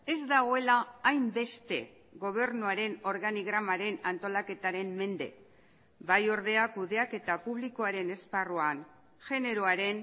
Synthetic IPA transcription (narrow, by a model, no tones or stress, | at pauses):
e̞zd̪aɣ̞o̞e̞laːjmbe̞st̪e̞ | ɣo̞β̞e̞rnuaɾe̞no̞ɾɣaniɣɾamaɾe̞nant̪o̞lake̞t̪aɾe̞mːe̞nd̪e̞̰ | bajo̞ɾðe̞akuðe̞ake̞t̪apuβ̞liko̞aɾe̞ne̞sparuan | ʝe̞ne̞ɾoaɾe̞n